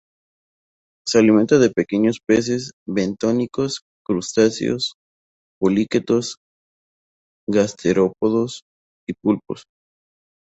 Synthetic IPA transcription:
sealiment̪aðe̞peke̞ɲo̞spes̬e̞sβe̞nt̪onikos | kɾust̪asj̰o̰s | poliket̪o̞s | ɡast̪ʰeɾo̞poðo̞s | ipulpo̰s

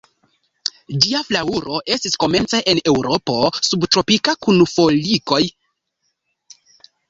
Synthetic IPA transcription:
d͡ʒiaflauɾo̞ʔe̞stisko̞me̞nt͡se̞ʔene̞wɾo̞po̞subtɾo̞pikakunfo̞liko̞j

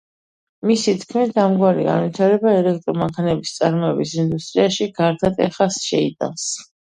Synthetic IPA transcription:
misit̪ʰkʰmit̪ʰamɡwaɾḭɡa̰nvit̪ʰaɾɛbaɛlɛk̚ʰt̪ʼɾɔmaŋkʰanɛbist̪sʼaɾmɔɛbisind̪ust̪ʼɾiaʃiɡaɾt̪ʰat̪ʼɛχasʃɛḭd̪a̰ns

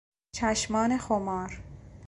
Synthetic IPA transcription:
t͡ʃʰæʃmɒːnexomɒːɾ

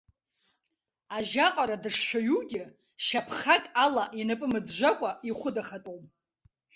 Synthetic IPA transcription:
aʒaqʼaɾadɨʂʃʷᶣaɥuɡʲɪ | ʃapʰχakʼalaʔinɨpʼɨmɨd͡zʒʷakʷʼaiχʷʊdaχatʼowm

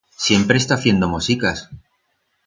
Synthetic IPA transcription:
sje̞mpɾe̞st̪aθje̞nd̪o̞mosikas

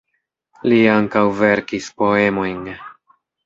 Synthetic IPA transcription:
liaŋkawve̞ɾkispo̞e̞mo̞jn

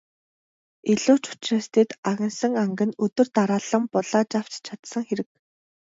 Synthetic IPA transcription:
iɮʊːt͡ɕʊ̥t͡ɕreːst̪ʰeːt̪aɣʲɪ̆nsə̆ŋaŋɡɘ̆nɵt̪ɵ̆rt̪aɾaːɮə̆mpɔɮaːt͡ɕaw̥t͡ɕt͡ɕʰat̪sə̆ŋxeɾɘ̆k̚

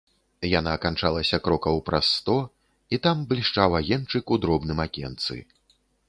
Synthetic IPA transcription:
janakant͡ʂalˠɐsʲɐkɾɔkɐwpɾasːt̪ɔ | it̪amblʲiʂt͡ʂawaɣʲɛnt͡ʂɨkud̪ɾɔbnɨmakʲɛnt̪sɨ̰

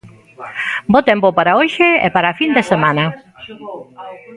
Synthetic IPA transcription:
bot̪empopaɾaoʃeḛpaɾafind̪esemãnɐ

